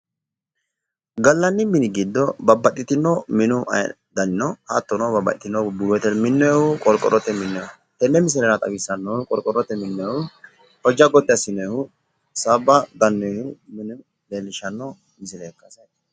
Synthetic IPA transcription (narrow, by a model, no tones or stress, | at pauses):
ɡɐlːɐnːɪmɪnɪɡid̪ːɔbɐbɐt̪ːɪt̪ɪnːɔmɪnʊʔɐ̰ | d̪ɐnɪnɔhɐt̪ːɔnɔbɐbɐ̰t̪ɪt̪ɪnːɔbʊɡɔt̪ːɛmɪnːɔjɛhʊkʼɔlkʼɔ̰ɾʔɔt̪ːɛmɪnːɔʊ | t̪ɛnːɛmɪs̬ɪɾɛɾɐt̪ʼɐ̰ɡɪsːɐnːɔhʊkʼɔlkʼɔɾɔt̪ːɛmɪnːɔjhʊ | hɔd͡ʒɐɡɔt̪ːɪɐsɪnːɔjhʊ | sabɐɡ̪ɐnːɔhʊmɪnʊ | leːlːɪʃɐnːɔ | mɪs̬ɪɾɛkːɐsɐ